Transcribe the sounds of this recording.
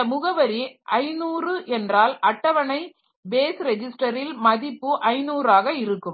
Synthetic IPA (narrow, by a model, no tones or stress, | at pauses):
ɐmʊɣɐʋɐɾiʔɐɪnuːrɯʔɛndraːlɐʈːɐʋɐnɐɪ | beːsɾɛd͡ʒɪsʈɐɾɪlmɐðɪpːɯʔɐɪnuːraːɣɐɪɾɯkːɯm